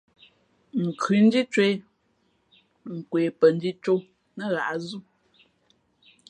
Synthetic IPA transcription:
ŋ̩˨kʰʉ˨˦n̩˦di˦t͡ʃwe˦ | ŋ̩˨kweː˨pə˨n̩˦di˦t͡ʃo˦ | nə˦˨ɣa̰˨ʔa˦zu˦

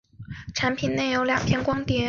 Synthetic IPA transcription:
ʈ͡ʂʰa˧˥npʰi˨˩nne˥˩ɪjo˧˥ʊljɑ˨˩ŋpʰjɛ˥˧nkwɑ˥ŋt̪jɛ˧˥

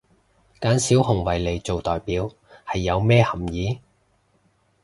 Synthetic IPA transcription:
kaː˨˥nsiː˨˥whʊ˨˩ŋwɐ˨˩jle˨˩jt͡ʃo˨wt̪ɔː˨jpiː˨˥w | hɐ˨jːɐ˨˧wmɛː˥hɐ˨˩mjiː˨˥

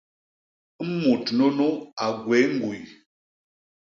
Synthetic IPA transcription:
m̩˦mu˨tno˦no˦a˨ɡwe˨˦ŋ˦ɡu˨j

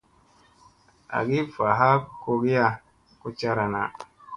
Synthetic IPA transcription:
a̰˨ɡi˦fa˨ɦa˦ko˧ɡi˦ja˦ | ku˦t͡ʃa˦ɾa˨na˨

